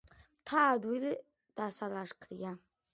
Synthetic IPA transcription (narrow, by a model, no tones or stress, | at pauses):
tʰaːdwili | d̥asalaʂkʰrija